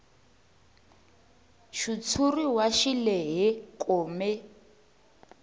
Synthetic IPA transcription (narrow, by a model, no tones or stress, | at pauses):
ʃut͡sʰuriwaʃilɛɦɛkʼoːmɛ